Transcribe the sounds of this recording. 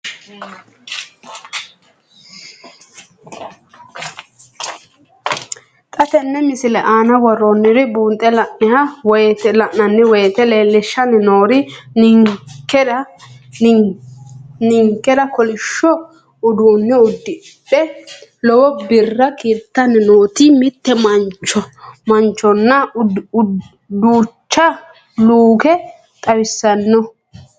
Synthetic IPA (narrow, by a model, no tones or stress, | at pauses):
t̪ʼɐt̪ɛnːɛmɪsɪlɛʔaːnɐwɔrɔnːɪɾɪbuːnt̪ʼːɛlɐʔnɪhɐwɔjt̪ɛlɐʔnɐnːɪwɔjt̪ɛleːlːɪʃːɐnːɪnoːɾɪnŋkːɛɾɐ | nɪŋkːɛd̪ɐkɔlɪʃːɔ | ʊd̪uːnːɪʊd̪ːɪ | pːɛlɔwɔbɪrːɐkiːt̪ːɐnːɪnoːt̪ɪmɪt̪ːɛmɐnt͡ʃːɔmɐnt͡ʃːɔnːɐ | d̪uːt͡ʃːɐ | luːkɛ | t̪ʼɐwɪsːɐnːɔ